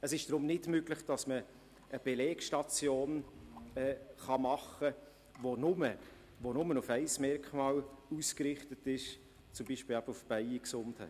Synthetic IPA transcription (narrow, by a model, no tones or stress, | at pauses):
əsɪʃd̥ɾʊmnɪdmøɡlɪχd̥ɑsməː | b̥ɛleːkʃtɑt͡sjoːnɛːχɑmɑχə | ʋonʊmə | vonʊmənʊfɛɪsmɛɾkχmɑːluskɾɪχtətɪʃ | t͡sʊmbiʃpɪlæb̥əufb̥æɪiksʊnthɛ̰